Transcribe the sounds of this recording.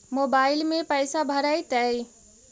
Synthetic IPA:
moːbaːɪlmẽpəjsabʱəɾajt̪əi

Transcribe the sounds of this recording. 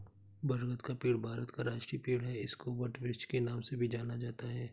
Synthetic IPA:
bɐɾɡət̪kapiːɽbʱaːɾət̪kaɾaːʃʈɾipiːɽɦɛɪskoʋɐʈʋɪʃt͡ʃkenaːmsebʱid͡ʒaːnad͡ʒaːt̪aɦɛː

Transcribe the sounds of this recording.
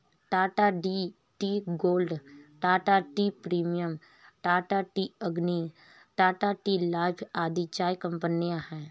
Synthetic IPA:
ʈaːʈaːɖiː | ʈiːɡoːlɖʈaːʈaːʈiːpɾiːmijəm | ʈaːʈaːʈiːəɡni | ʈaːʈaːʈiːlaːɪpʰaːd̪it͡ʃaːikə̃mpənijãhɛ̃ː

